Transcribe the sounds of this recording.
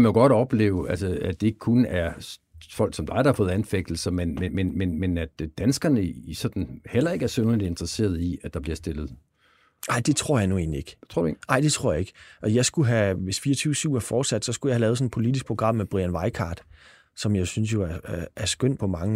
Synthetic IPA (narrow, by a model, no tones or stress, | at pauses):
kæmænjoɡ̥ɒd̥ɒ̽b̥le̝̰ːʊælsəæd̥e̝eɡ̥ə̥kʰunæɐfɒ̽l̰ɡ̥sɒ̽md̥ɑ̈ɪɾɑhɑ̈fɔ̽ːð̩ˠænfeɡ̥̚d̥l̩sɐmenmemenmenmenæd̥d̥ænsɡ̥ɐnəisɒ̽d̥n̩hel̰ɐe̝ɡ̥æɐsøʊɐlid̥e̝nd̥ʁɐse̝̰ːɐðˠiæ̥ɑ̈b̥liɐsd̥e̝lð̩ˠ | nɑ̈ɪ̰d̥e̝t͡sʰʁo̝ɐ̰jɑnue̝ːnlie̝ɡ̥ʰʁo̰dḛnɑ̈ɪ̰d̥e̝t͡sʰʁɔ̰ɐ̰jɑ̈e̝ɡ̥ʔɒ̽jɑ̈ɪsɡ̥uɦæʋe̝sfiːɐt͡sʰyːʊsyʊ̰æɐfɒːd̥sæd̥sɒ̽sɡ̥ujɑɪhælɛːð̩ˠsɒ̽npʰo̝lid̥isɡ̥̚pʰoɡʁɑ̈m̰ːeb̥ʁḭænʋɑ̈ɪkʰɑ̰̈ːd̥ | sɒ̽mjɑ̈ɪsynsjo̝æɐææɐsɡ̥øn̰pʰɒ̽mɑ̈ŋə